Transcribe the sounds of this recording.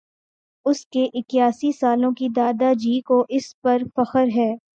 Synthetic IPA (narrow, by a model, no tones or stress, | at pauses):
ʊskeʔɪkjaːsisaːlõkid̪aːd̪ad͡ʒiːkoʔɪspɐɾfɐxəɾɦɛː